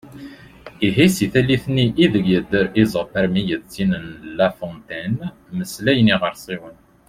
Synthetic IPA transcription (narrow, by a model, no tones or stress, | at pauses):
iɦisiθæliθnːiʔːðəɡjəd̪ːəɾizˤɑpəɾmijədt͡sːinənlæfɔnt̪æn | məslæjəniʁəɾˤsˤiwən